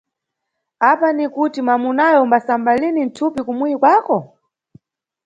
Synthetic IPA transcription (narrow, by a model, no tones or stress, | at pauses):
apanikutimamunajɔmbasambalinin̩tʰupikumuikwaːkɔ